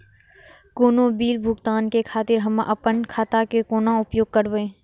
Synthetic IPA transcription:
koːnobiːlbʱʊɡt̪aːnkekʰaːt̪ɪɾɦɐmʔɐpənkʰaːt̪akekoːnãʊpjoːɡ̚kəɾʋẽː

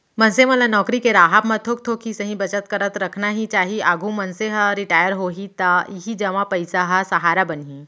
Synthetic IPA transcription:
mɐnsemɐlanɔːkɾikeɾaːɦapmɐt̪ʰok̚t̪ʰokisɐɦĩbɐt͡ʃət̪kəɾət̪ɾɐkʰnaɦit͡ʃaːɦiaːɡʱũmɐnseɦəɾɪʈaːjəɾɦoːɦit̪aiɦid͡ʒɐʋãpɐɪsaɦɐsɐɦaːɾabɐnɦi

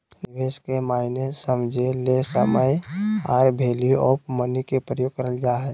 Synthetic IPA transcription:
nɪʋeːskemaːɪnesəmd͡ʒʱelesəməja̰ːɾbʱeːliopmənikepɾəjoːɡ̚kəɾəld͡ʒaːɦɛ

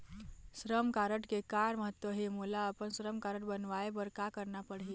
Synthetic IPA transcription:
sɾəmkaɾəʈkekaɾməɦət̪ːʋəɦemulaəpənsɾəmkaɾəʈ̚bənʋaebəɾkakəɾnapəɽɦi

